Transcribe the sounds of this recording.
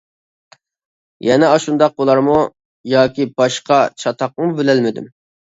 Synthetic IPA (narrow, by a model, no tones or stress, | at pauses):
jɛnɛɑʃund̪ɑq̚bulˠɑɾmu | jɑːkʲibɑʃqɑt͡ʃʰɑt̪ʰɑqmʊbelɛlmɪd̪y̰m